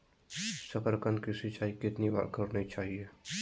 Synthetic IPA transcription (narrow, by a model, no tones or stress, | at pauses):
səpəɾkənkisɪt͡ʃaːikɪt̪niba̰ːɾkəɾnit͡ʃaːɦieː